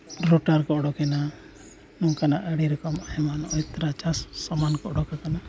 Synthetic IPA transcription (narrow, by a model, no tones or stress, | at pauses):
ɾɔʈaɾkɔɔɽɔkɛna | nɔkanaʔəɽiɾɛkɔmahɛmanɔjt̪ɾat͡ʃassɔmankɔɔɽɔkakana